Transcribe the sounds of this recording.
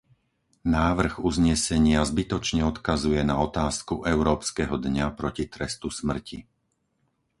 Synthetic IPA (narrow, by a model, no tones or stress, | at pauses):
naːʋr̩ɣuzɲɛsɛɲɪazbit̪ɔt͡ʃɲɛɔt̪kazujɛnaɔt̪aːskuʔɛʊɾɔːpskɛɦɔd̪ɲapɾɔcit̪ɾɛst̪usmr̩ci